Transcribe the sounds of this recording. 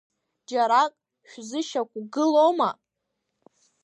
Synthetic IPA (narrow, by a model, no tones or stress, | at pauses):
d͡ʒaɾakʼ | ʃᶣzɨʃakʷʼɡɨloma